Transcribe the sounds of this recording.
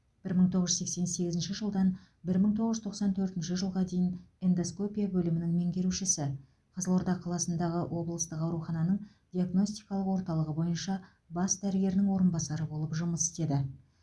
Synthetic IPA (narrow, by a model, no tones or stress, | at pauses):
b̥ɪɾməɴt̪ʰo̞ʁəʒʏe̞kse̞nse̞ɡʲɪzɪnʃɪʒəlˠd̪ɑn | bɪɾməɴt̪ʰoʁəʒʏzt̪ʰo̞qsɑnt̪ʰɵɾt̪ɪnʃɪʒəlˠʁɑd̪e̞jɪnend̪osko̞pʲijabɵlɪmɪnɪŋme̞ŋɡʲe̞ɾuʃɪsɪ | qʰəzəlˠo̞ɾd̪ɑqʰɑlˠɑsənd̪ɑʁəwʔo̞blˠəst̪əqɑwɾuχɑnɑnəɴ | d̪ʲiaɡno̞sʲt̪ijkɑlˠəqwo̞ɾt̪ɑlˠəʁəbo̞jənʃɑ | bɑsd̪æɾɪɡʲe̞ɾɪnɪŋwo̞ɾənbɑsɑɾəbo̞lˠəpʒʊməsɪ̥st̪e̞d̪ɪ